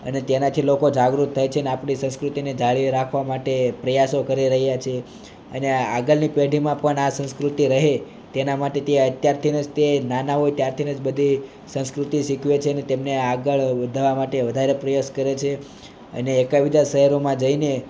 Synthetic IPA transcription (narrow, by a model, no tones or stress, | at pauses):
ə̰net̪enat̪ʰilokod͡ʒaɡɾut̪ʰːajt͡ʃʰeəneapɳisə̃skɾut̪ined͡ʒʱaɭiɾakʰʋamaʈepɾəjasokəɾiɾəɦjat͡ʃʰe | ənea̰ɡəɭnipeɽimãpəɳasə̃skɾut̪iɾəɦe | t̪enamaʈet̪eət̪jaɾt̪ʰinəd͡ʒt̪enanaɦojt̪jaɾt̪ʰinəd͡ʒbəd̪ʱi | sə̃ñskɾut̪iʃikʰʋet͡ʃʰeənet̪emneaɡəɭʋəd̪ʱaʋamaʈeʋəd̪ʱaɾepɾəjoskəɾet͡ʃʰe | ə̰neːkaʋid̪aʃəɦəɾomãd͡ʒəine